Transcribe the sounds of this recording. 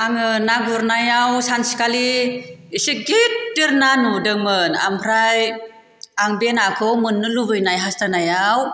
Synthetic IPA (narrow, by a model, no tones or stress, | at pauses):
aŋɯnaɡuɾnajawsansi̥kaliisiɡit̚diɾnanudɯŋmɯna̰mpʰɾaj | aŋbenakʰɯwmɯnːɯlubɯjnajɦastanajaw